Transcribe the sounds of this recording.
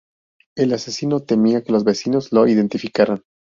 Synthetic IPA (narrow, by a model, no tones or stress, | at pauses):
e̞lasesino̞t̪e̞miake̞lo̞zβe̞sino̞zlo̞iðe̞nt̪ifikaɾan